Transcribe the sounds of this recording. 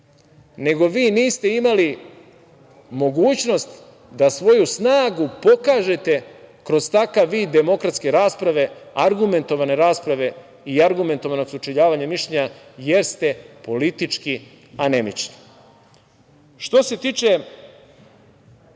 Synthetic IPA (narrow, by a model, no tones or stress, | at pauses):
ne̞ɡo̞ʋiːniːst̪e̞imali | mo̞ɡuːt͡ɕno̞st̪ | d̪asʋo̞jusnaːɡupo̞kaːʒe̞t̪e̞kɾo̞zt̪akaʋːiːd̪ːe̞mo̞kɾat̪ske̞ɾaːspɾaʋe̞aɾɡume̞nt̪o̞ʋane̞ɾaːspɾaʋe̞ | iaɾɡume̞nt̪oʋano̞ksut͡ʃeʎaːʋaɲamiʃeɲajeɾst̪e̞po̞lit̪it͡ʃki | ane̞mḭt͡ʃni̥ | ʃt̪o̞se̞t̪iːt͡ʃe